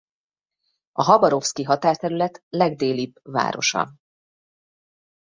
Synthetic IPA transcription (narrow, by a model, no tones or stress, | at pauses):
ɒɦɒbɒɾo̞fskiɦɒt̪aːrt̪ɛɾylɛt̪lɛɡd̪eːlibva̰ːɾo̞̰ʃɒ̰